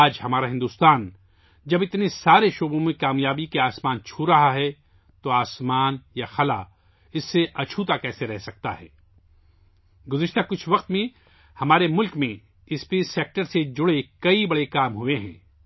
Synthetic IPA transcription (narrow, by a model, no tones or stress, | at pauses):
aːd͡ʒhɐmaːɾaɦɪ̃nd̪uːst̪aːn | d͡ʒɐbɪt̪nesaːɾeʃoːbõmẽkaːmjaːbikeaːsmaːnt͡ʃʰuɾɐɦaɦɛ | t̪oaːsmaːnjaxɐla | ɪsːeʔɐt͡ʃʰut̪akɛːseɾɛɦsɐk̚t̪a̰ɦɛ̰ː | ɡʊzɪʃt̪akʊt͡ʃʰʋɐqt̪mẽ | hɐmaːɾemʊlkmẽ | ɪspeːeːk̚ʈəɾsed͡ʒʊɽekɐibɐɽekaːmɦʊeɦɛ̰̃ː